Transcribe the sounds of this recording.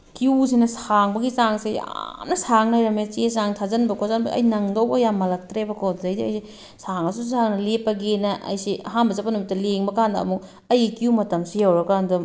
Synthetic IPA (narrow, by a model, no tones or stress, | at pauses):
kius̬inɐsaŋbɐɡit͡ʃaŋsija̰mnɐsaŋnajɾɐmet͡ʃesaŋtʰazɐnbɐkʰozanbɐʔɐ̰jnɐŋdowbɐjamːɐlɐk̚tɾebɐkʰozɐjdiɐjsi | saŋɐsusaŋnɐlepːɐɡenɐʔɐ̰jsiɐɦanbɐzɐpːɐnumitːɐleŋbɐkandɐ̰ːmuk̚ | ɐjɡikiumɐtɐmsijɐwɾɐkandum